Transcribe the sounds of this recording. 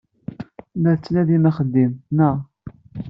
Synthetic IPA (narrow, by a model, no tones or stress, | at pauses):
læɾt͡sːnæðimæχəd̪ːimnəʁ